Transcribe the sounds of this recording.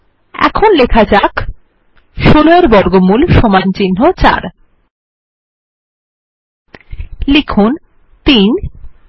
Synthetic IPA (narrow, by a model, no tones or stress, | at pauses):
ɛ̰kʰonlekʰad͡ʑak | ʃoloaɾbɔɾɡomulʃomant͡ɕinɦot͡ɕa̰ɾ | lekʰun | t̪in